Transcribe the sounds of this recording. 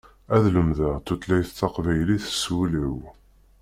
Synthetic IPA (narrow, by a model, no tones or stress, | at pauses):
æðləmðəʁt̪ːut̪læjθt̪ːɑqvæjliθə̥suliw